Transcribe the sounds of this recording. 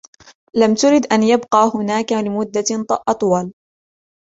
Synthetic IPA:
lamt̪ʊɾɪd̪ʔanjabqɑːhʊnaːkalɪmʊd̪ːaʔɑt̪ˤwɑl

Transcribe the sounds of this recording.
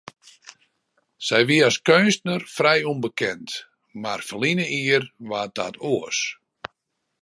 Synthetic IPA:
sɛjʋiəaskønstnərfrɛjunbəkʰɛnt | marfəlinəʔiərʋat̚da̰tʰoəs

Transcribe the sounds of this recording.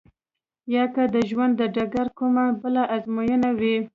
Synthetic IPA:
jɑkad̪əʒwand̪ːəɖaɡaɾkumabəlaʔazmojənawi

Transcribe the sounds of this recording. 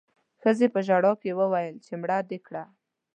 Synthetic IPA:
xəzepəʒaɽɑkewəwajəlt͡ʃemɽad̪ekɽa

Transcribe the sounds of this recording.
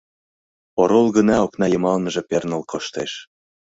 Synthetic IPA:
oɾolɣə̆nɑoknɑjɤ̆mɑlnə̆ʒĕpernə̆lkʰoʃt̪eʃ

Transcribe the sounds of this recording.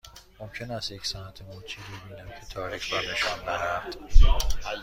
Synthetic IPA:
mo̞mcʰenæst̪jecsænæt̪ʰemuːt͡ʃʰiːbebiːnæmcʰe̞t̪ʰɒːɾicʰbɒɾneʃɒndæɾæd̪̥

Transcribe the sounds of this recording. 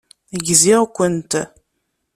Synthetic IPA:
iɡziʁkʷənt̪

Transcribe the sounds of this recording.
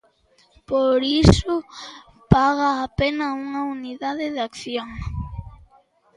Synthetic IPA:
poɾisʊ | paɣaːpenɐuŋɐuniðaðɪðakθjoŋ

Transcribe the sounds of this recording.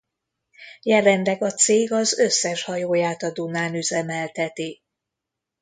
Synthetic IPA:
jɛlɛnd̪ɛɡɒt̪seːɡɒzø̞sːɛʃhɒjoːjaːt̪ɒd̪unaːnyzɛmɛlt̪ɛt̪i

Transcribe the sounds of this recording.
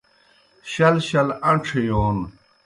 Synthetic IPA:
ɕɐlɕɐlɐɳʈ͡ʂʰejoːn

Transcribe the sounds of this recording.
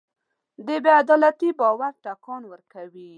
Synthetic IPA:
d̪əbead̪ɔlat̪ibɑwaɾʈakɑnwəɾkawi

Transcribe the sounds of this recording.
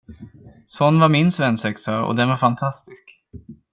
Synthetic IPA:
sɔnːvaɾmɪnsvɛnsɛksaɔ̰d̪ɛnvaɾfant̪ʰast̪ɪsk

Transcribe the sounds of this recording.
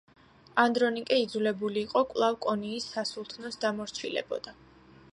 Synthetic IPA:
and̪ɾɔnikʼɛid̪zulɛbuliːqʼɔkʼlˠavkʼɔniːsːasulˠt̪ʰnɔsd̪amɔɾt͡ʃʰilɛ̰bɔ̰d̪̥a

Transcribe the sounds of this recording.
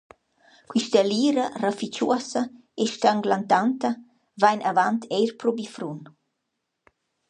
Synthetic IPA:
kwiʃt̪əliːɾarafit͡ʃuɐsa | eʃt̪aŋɡlant̪ant̪ɐ | vajnʔavant̪ʰɛjɾpɾobifɾun

